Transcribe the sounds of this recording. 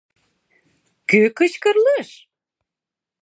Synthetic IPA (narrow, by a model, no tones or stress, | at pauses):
kykət͡ɕkə̆rləʃ